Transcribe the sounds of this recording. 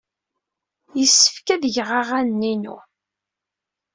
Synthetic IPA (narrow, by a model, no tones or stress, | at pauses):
jəsːə̥fkæðəʝʁaʁænnːinṵ